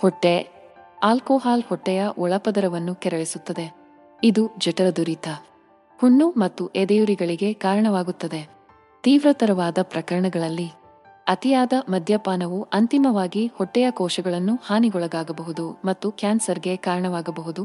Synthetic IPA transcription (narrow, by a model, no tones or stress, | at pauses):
hɔʈːe | aːlkoːɦaːlhɔʈːɛjɐʔɔɭɐpɐd̪ɐɾɐʋɐnːukɛɾɐɭisut̪ːɐd̪e̞ | id̪ud͡ʒɛʈɐɾɐd̪uɾit̪ɐ | huɳːumɐt̪ːuʔed̪ɐjuɾiɡɐɭiɡe̞kaːɾɐɳɐʋaːɡut̪ːɐd̪e̞ | t̪iːʋɾɐt̪ɐɾɐʋaːd̪ɐpɾɐkɐɾɐɳɐɡɐɭɐlːi | ɐt̪ijaːd̪ɐmɐd̪ʱjɐpaːnɐʋuɐnt̪imɐʋaːɡihɔʈːɛjɐkɔːʃɐɡɐɭɐnːuhaːniɡɔɭɐɡ̪aːɡɐbɐɦud̪umɐt̪ːukjaːnsɐɾɡe̞kaːɾɐɳɐʋaːɡɐbɐɦud̪u